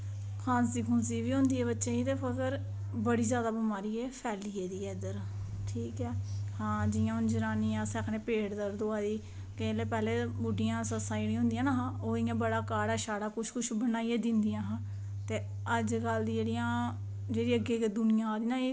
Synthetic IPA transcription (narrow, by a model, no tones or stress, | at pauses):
kʰãːsiːkʰʊ̃ːnsiːʋiːõːnd̪iːɛːbətːʃẽːit̪eːpʰəkəɾ | bəɽiːzjaːd̪aːbəmaːɾiːɛːpʰɛːliːeːd̪iːɛd̪əɾ | ʈʰiːkɛːhãːd͡ʒɪjãːʊnd͡ʒəɾaːniːãːsɛkʰneːpeːɽd̪əɾd̪oaːd̪iː | keleːpɛːleːbʊɖijãːsəsãːeɽĩɦõːnd̪ijãːnaːɦãːoːɪːãːbəɽaːkaːɽaːʃaːɽaːkʊt͡ʃʰkʊʃʰbənaːiɛːd̪ɪ̃nd̪ijãːɦãː | t̪eː | əd͡ʒɡəld̪id͡ʒeːɽijãː | d͡ʒeːɽiːəɡeːked̪ʊnɪjãːd̪iːnaːiː